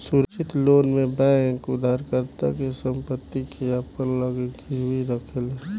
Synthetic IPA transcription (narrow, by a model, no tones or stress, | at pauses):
suɾt͡ʃɪt̪loːnmebɛ̃ŋkʊd̪ʱaɾkəɾt̪a̰kesəmpət̪ːikiapəɾləɡeɡʰiɾuiɾəkʰele